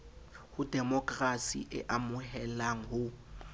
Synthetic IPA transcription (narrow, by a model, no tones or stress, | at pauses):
hʊdɛmɔkʼrasḭʔɪ̰ʔamʊhɛlaŋ̩hʊ